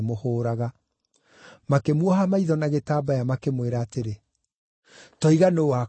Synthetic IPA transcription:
mohoːɾaɣa | makemwɔɦamaiðɔnaɣetaːbajamakemweɾaːteɾe | tɔiɣanoːa

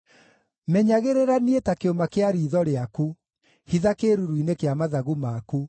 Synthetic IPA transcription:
mɛɲaɣeɾeɾanietakeomakeaɾiːðɔɾeaku | hiðakeːɾuɾuinekeamaðaɣumaku

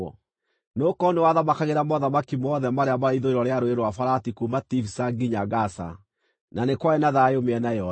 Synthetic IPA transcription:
ɔ̰ | nokɔnewaðamakaɣeɾamɔðamakimɔðɛmaɾeamaɾaiðoeɾɔɾeaɾoeɾwafaɾatikumatifisaɡiɲaɡasa̰ | nanekwaenaðajeomeɛnajɔ

